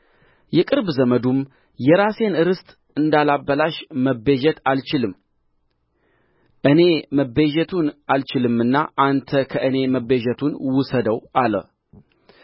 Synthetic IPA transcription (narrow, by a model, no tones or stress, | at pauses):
jɛkʼɨɾbzəməd̪um | jɛɾase̞nɨɾɨst̪ʼ | ɨnd̪alabːəlaʃməbeʒɛt̪alt͡ʃɪlɨm | ʔɨne̞məbeʒɛt̪ʰunalt͡ʃɪlɨmɨnːaʔant̪ʰəkʰəʔɨne̞məbeʒɛt̪ʰunwʊsəd̪əwʔalə̰